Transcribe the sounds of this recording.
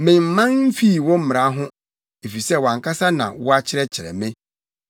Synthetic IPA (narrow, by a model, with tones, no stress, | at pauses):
mɪ̃˨m̩˨mã˦nm̩˦fi˦˨wɔ˦m̩˦m̃˨ɾa˨˦ɦʊ̃˦ | e˨fi˨sɛ˦wã˨ŋkʰa˦sa˦nã̰˨wɔ˦a˦t͡ɕʰɪ˦ɾɛ˦t͡ɕʰɪ˨ɾɛ̰˨mẽ˦